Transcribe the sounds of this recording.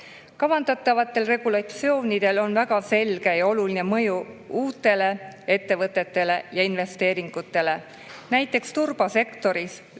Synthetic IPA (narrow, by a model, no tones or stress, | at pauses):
kɑvɑnd̪ɑt̪ːˑɑvɑt̪ːˑe̞lre̞ɡ̥ulɑt̪sio̞ːnid̪̥e̞lo̞nvæɡ̥ɑse̞lɡ̥e̞jɑo̞luline̞mɤjuuːt̪ːˑe̞le̞e̞t̪ːe̞vɤt̪ːˑet̪ːe̞le̞jɑinve̞st̪e̞ːɾiŋɡ̥ut̪ːˑe̞le̞ | næjt̪ːˑe̞kst̪urb̥ɑse̞kt̪o̞ɾis